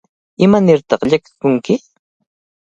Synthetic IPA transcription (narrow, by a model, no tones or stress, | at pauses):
ɪmanɪɾt̪ɑχʎakɪ̥kʊŋkɪ